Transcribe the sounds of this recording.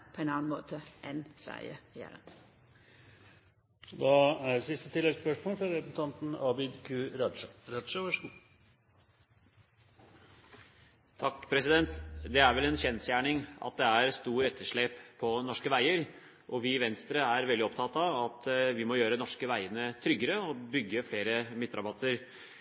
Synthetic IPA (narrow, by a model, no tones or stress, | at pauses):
pʰɔɛnɑːnmoːt̪ʰəʔɛnsʋæ̰ɪə̰jæ̰ːɾə̰n | d̪ɑæsɪst̪ət̪ʰɪlɛɡspœʂmɔːlfɾɑɾɛsən̩t̪ʰɑnt̪n̩ɑːbɪd̪kʰʉːɾɑʂəɾɑd̪ʂəʋæʂəɡuː | t̪ʰɑkːpʰɾɛsɪd̪ɛnt̪d̪ɛæɾʋɛlɛnɕɛnsjæːɳɪŋʔɑ̰t̪̚d̪ɛæɾst̪uːɾɛt̪ʰːəʂɭeːppʰːɔnɔʂkəʋæɪəɾ | ʔɔʋɪʋɛnst̪ɾəæɾʋɛld̪ɪɔpt̪ʰɑt̪ɑɑt̪ʋɪmɔjøːɾənɔʂkəʋæɪənət̪ʰɾʏɡːəɾəɔbʏɡːəfleːɾəmɪt̪ːɾɑbɑt̪ʰːəɾ